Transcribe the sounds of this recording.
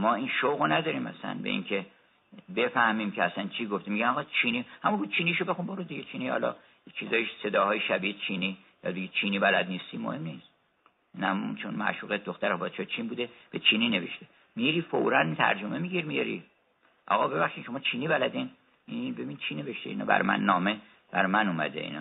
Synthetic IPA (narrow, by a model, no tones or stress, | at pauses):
mɒːiːnʃowɣonæd̪ɒːɾiːmæ̰sæ̰nbḛʔḭŋkʰe̞ | be̞fæhmiːmcʰeæsænt͡ʃʰiːɡoft̪imiɟænɒɣɒt͡ʃʰiːnihæmubud̪̚t͡ʃʰiːniʃobe̞xunboɾod̪iɟet͡ʃʰiːnihɒ̰ːlɒ̰ | et͡ʃʰizɒːjise̞d̪ɒːhɒːjeʃæbiːet͡ʃʰiːni | jɒ̰d̪iɡit͡ʃʰiːniːbælæd̪niːst̪imo̰he̞mniːs | næmunt͡ʃʰonmæ̰ʃuːɣed̪oxt̪æɾbɒːt͡ʃʰɒjt͡ʃʰinbuːd̪e̞b̥et͡ʃʰiːniːne̞ve̞̰ʃt̪e | miɾiːfo̰ɾænt̪ʰæ̰ɾd͡ʒomemiɟiɾmijɒ̰ɾḭ | ʔɒ̰ːɣɒbe̞βæχʃinʃo̞mɒːt͡ʃʰiːniːbælæd̪in | ibe̞bint͡ʃʰine̞veʃt̪eḭnɒ̰bæ̰ɾmæ̰nːɒːme | b̥æɾmænuːmæ̰d̪ḛḭːnɒ̰ː